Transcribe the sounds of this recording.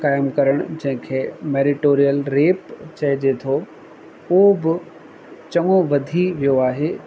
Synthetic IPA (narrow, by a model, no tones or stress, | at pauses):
kaːɪmkɐɾəɽ̃ʊd͡ʑɐ̃ɦɪ̃kʰeːmeːɾɪʈoːɾijəlɾeːpt͡ɕɐɪd͡ʑet̪ʰo | ɦobɪ | t͡ɕɐŋoʋɐd̪ʱiʋijoaːɦeː